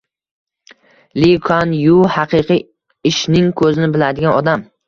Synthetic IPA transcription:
likʰanjʊhɑqʰɨqʰɨ | ɪʃnɪŋkʰɵzɪnɪbɪlad̪ɪɡʲanɒd̪am

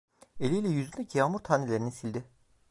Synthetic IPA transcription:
elʲijlʲɛjyzynd̪ʲɛcʰijaːmuɾt̪ʰaːnelʲeɾininsilʲd̪ɪ

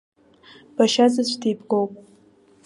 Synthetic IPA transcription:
b̥aʃazɨt͡ɕʷʰtʰejbɡowpʼ

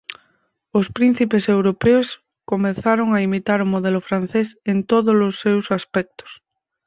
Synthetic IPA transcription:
ospɾin̟θipesewɾopeos | komẽθaɾoŋaimit̪aɾʊmoðɛlofɾan̟θesent̪oðolosːewsaspɛk̚t̪o̥s

